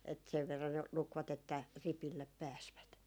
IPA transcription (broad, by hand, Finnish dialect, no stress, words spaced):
et seʋ ʋerːɑn ne lukʋɑt etːæ ripilːep pæːsʋæt